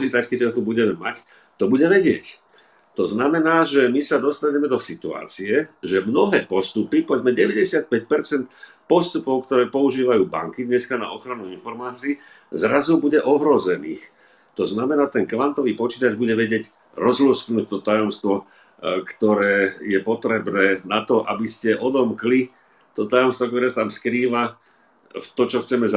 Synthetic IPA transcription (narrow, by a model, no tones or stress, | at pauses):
t͡ʃiːt̪ackɛɟɔt̪ubuɟɛmɛmac | t̪ɔbuɟɛʋɛɟɪɛc | t̪ɔznamɛnaːʒɛmisad̪ɔst̪aɲɛmɛd̪ɔsit̪ua̰ːt͡siɛʒɛmnɔɦɛːpɔst̪upipɔʋɛd͡zmɛɟɛʋɛɟɛsɪat̪̚pɛcpɛɾt͡sɛnt̪ | pɔst̪upɔʊkt̪ɔɾɛːpɔuʒiːʋajuːba̰ŋkid̪ɲɛskana̰ɔxɾanuinfɔɾmaːt͡siiː | zɾazubuɟɛʔɔɦɾɔzɛniːx | t̪ɔznamɛnaːt̪ɛŋkʋant̪ɔʋiːpɔt͡ʃiːt̪ad͡ʒbuɟɛʋɛɟɪɛɟ | ɾɔzlusknuːc̚t̪ɔt̪ajɔmst̪ʋɔ | kt̪ɔɾɛːjɛpɔt̪ɾɛbnɛːnat̪ɔʔabiscɛʔɔd̪ɔmkli | t̪ɔt̪ajɔmst̪ʋɔk̚t̪ɔɾɛːsat̪amskɾiːʋa | ft̪ɔt͡ʃɔxt͡sɛmɛz